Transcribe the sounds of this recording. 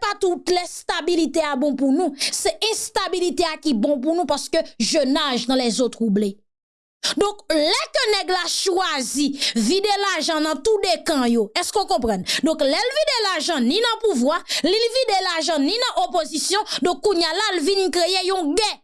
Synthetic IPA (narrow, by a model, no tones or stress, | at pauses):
pat̪ut̪lɛst̪abilit̪eabɔ̃punũsɛʔɛ̃st̪abilit̪eakibɔ̃p̬unũpaskøʒønaʒnãlɛzot̪ʁuble | d̪ɔ̃klɛkənɛɡlaʃwazivid̪elaʒɑ̃nɐ̃t̪ud̪ekãjoɛskokɔ̃pʁɑ̃nd̪ɔ̃klɛlvid̪elaʒɑ̃nĩnɐ̃puvwalilvid̪elaʒɑ̃nĩnãʔopozisjɔ̃d̪ɔ̃kːũɲjalalvinĩkʁejejɔ̃ɡɛ